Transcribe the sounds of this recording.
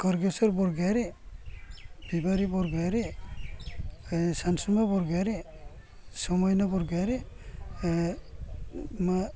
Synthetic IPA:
kɔɾɡesɔɾbɔɾɡaɾe | bibaɾibɔɾɡaɾe | sansumabɔɾɡajɾe | sɔmɔjnabɔɾɡaɾe | ma

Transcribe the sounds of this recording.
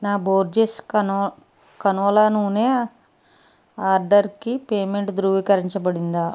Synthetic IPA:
naːboːɾd͡ʒesk | kɐnuʋɐlɐnuːneː | aːɾɖɐɾkipeːmeɳʈd̪ɾuːʋiːkɐɾiɲt͡ʃɐbɐɽind̪aː

